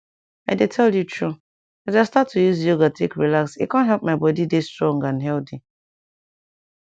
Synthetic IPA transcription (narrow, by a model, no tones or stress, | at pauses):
aɪdetʰɛljutʰɹu | azastatʰːujuzjoɡatʰekɹilaksḭkãntɦɛlp̚maɪbɔdidestɹɔ̃ŋɡãnɦɛldi